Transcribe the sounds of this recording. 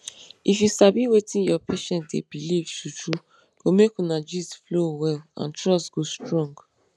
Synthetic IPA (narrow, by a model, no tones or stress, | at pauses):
ifjusabiwetĩnjɔpʰeʃɛ̃ntdḛbilivʃut͡ʃu | ɡ̥omekũnad͡ʒisflowɛlã̰ntɹɔstɡ̥ostɹɔ̃ŋɡ